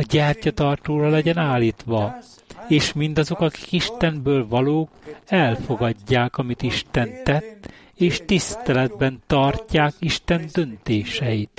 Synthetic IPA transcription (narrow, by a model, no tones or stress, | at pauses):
ɒɟɛːrcɒt̪ɒrt̪oːrɒlɛɟɛnaːlːiːt̪ʋɒ | eːʃmind̪ɒzo̞kɒki̥kiʃt̪ɛnbøːlvɒloːkɛlfo̞ɡɒɟːaːkɒmit̪iʃt̪ɛnt̪ːɛt̪ː | eːʃt̪ist̪ɛlɛd̪̚bɛnt̪ɒrcːaːkiʃt̪ɛnd̪ø̞nt̪eːʃɛjit̪